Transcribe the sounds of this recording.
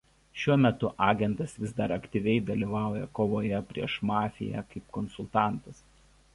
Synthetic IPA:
ʃʲuɔmʲɛt̪ʊʔɑːɡʲɛnt̪ɐsʋʲɪzd̪ɐɾɐkʲt̪ʲiʋʲɛɪd̪ɐlʲiːʋɑˑʊjɛkoːʋoːjɛpʲɾʲḭɛʃmɑːfʲɪ̰jæ̰ːkɐɪp̚kɔnsʊlˠt̪ɑˑnt̪ɐs

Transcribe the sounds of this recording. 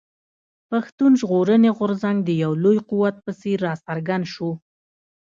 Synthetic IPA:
paxt̪unʒɣoɾəneɣʊɾzaŋɡd̪əjawlojquwat̪̚pəseɾːɑsaɾɡand̪ʃo

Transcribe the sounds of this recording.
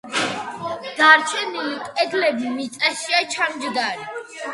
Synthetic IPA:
d̪̥aɾt͡ʃʰɛnilikʼɛd̪lɛbimit̪sʼaʃiat͡ʃʰamd͡ʒd̪aɾi

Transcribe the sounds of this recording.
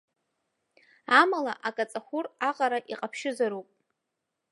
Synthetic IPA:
amala̰ʔakʼat͡sʼaχʷʊraqʼaɾaʔiqʼapʰʃɪzaɾupʼ

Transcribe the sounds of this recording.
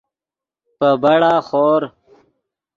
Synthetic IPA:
pəbɐɽaːχoːɾ

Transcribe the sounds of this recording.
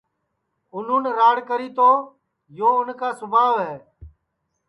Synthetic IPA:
ʊnũːnɾaːɽkəɾiːt̪oː | joːʊnkaːsʊbʱaːʋɦɛː

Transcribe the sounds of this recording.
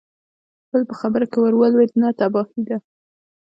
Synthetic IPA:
b̥əlpəxabəɾakawəɾwəlwet̪nat̪abɑhid̪a

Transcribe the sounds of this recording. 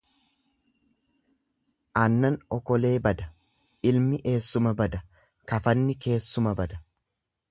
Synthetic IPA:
ʔɐnːɐnɔkɔle̞ːbɐd̪ɐ | ʔɪlmɪʔe̞ːsːʊmɐbɐd̪ɐ | kɐfɐnːɪke̞ːsːʊmɐbɐd̪ɐ

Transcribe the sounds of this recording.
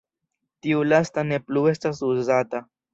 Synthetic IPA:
tiulastane̞plue̞stasuzata

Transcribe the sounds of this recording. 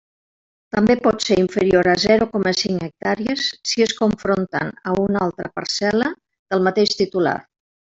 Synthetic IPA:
t̪əmbepɔt̪seɾiɱfəɾioɾəzɛɾukɔməsiŋək̚t̪aɾiəsːiəskuɱfɾont̪ə̰nəunalˠt̪ɾəpə̰ɾsɛlə | ð̥əlˠmət̪eʃt̪it̪ula̰r

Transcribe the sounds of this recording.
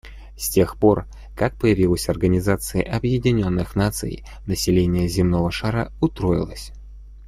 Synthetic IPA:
sʲtʲe̞xpo̞r | kak̚pəjɪvʲilˠəsʲɐrɡənʲɪzat̪sɨɪ̰ʔɐbjɪdʲɪnʲo̞nːɨxnat̪sɨ̰j | nəsʲɪlʲenʲɪjəzʲɪmno̞vəʂaɾəʊst̪ɾo̞jɪ̰lˠəsʲ

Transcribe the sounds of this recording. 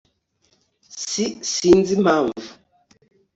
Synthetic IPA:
sisind͡zimaɱvu

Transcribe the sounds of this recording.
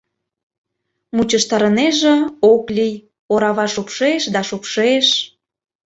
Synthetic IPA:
mut͡ɕəʃt̪ɑɾə̆neʒĕoklʲij | oɾɑβɑʃupʃeʃd̪ɑʃupʃeʃ

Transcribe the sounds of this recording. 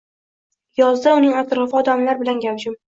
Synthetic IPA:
jɒzd̪aʊnɪŋat̪ɾɒfɪɒd̪amlaɾbɪlanɡʲawd͡ʒɪm

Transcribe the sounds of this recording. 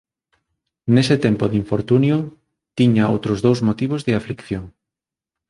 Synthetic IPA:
nesɪt̪empoðiɱfoɾt̪unjʊ | t̪iɲao̰wt̪ɾʊzðowzmot̪iβ̞ozðɪaflikθjoŋ

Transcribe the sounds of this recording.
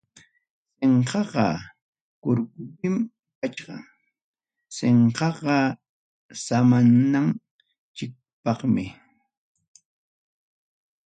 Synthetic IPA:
seɴqɑqɑ | kʊɾkʊt̪ɪm | kat͡ʃɢɑ̰ | seɴqɑqɑ | samanːaŋ | t͡ʃɪk̚ | pɑχmɪ

